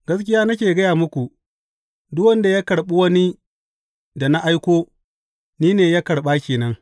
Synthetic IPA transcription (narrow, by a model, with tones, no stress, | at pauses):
ɡɐ˦skʲɪ˦jaː˦nɐ˦k̬ʲeː˨ɡɐ˦jaː˨mʊ˦kʷu˨ | dʊ˦wɐ˦nda˨ja˦kɐ˨ɽɓu˦wɐ˦ni˦ | da˨na˦ʔa˦jkʷoː˦ | niː˦neː˨ja˦kɐ˨ɽɓaː˦kʲeː˨nɐ˦ŋ